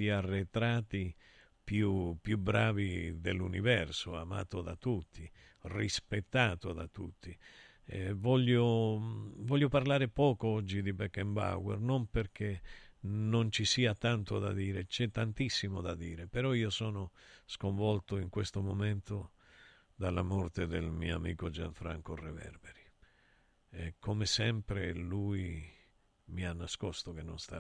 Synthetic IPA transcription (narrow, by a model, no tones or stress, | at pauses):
iarːet̪ɾaːt̪i | pjupjubɾaːvid̪elːunivɛrsoama̰ːt̪od̪a̰t̪ut̪ːi | rispet̪ːaːt̪od̪a̰t̪ut̪ʰːi | ɛvɔʎːo | vɔʎːoparlaːɾepɔːkoɔd͡ʒːid̪ibɛkːɛmba̰wɛ̰rnomperk̟e | nont͡ʃisiːat̪ant̪od̪a̰d̪iːɾet͡ʃɛt̪ːant̪isːimod̪ad̪iːɾepeɾɔiːosɔːnoskoɱvɔlt̪oiŋkwest̪omomɛnt̪o | d̪alːamɔrt̪ed̪elmḭːoamḭːkod͡ʒa̰ɱfɾa̰ŋkorevɛ̰rbɛɾi | ɛkʰomesɛmpɾeluːi | mianːaskɔst̪ok̟enːo̰nst̪a̰